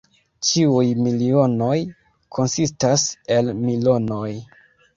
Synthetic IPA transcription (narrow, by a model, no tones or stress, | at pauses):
t͡ʃiujmilio̞no̞j | kʰo̞nsistase̞lmilo̞no̞j